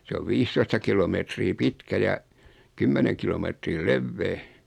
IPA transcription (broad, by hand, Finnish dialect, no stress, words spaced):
se oʋ ʋiːstoistɑ kilometriː pitkæ jɑ kymːeneŋ kilometriː leʋːeː